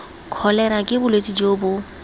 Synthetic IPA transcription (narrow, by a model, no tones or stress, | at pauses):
kʰɔlɛɾakʼɪbʊlwet͡sʼid͡ʒoːbʊ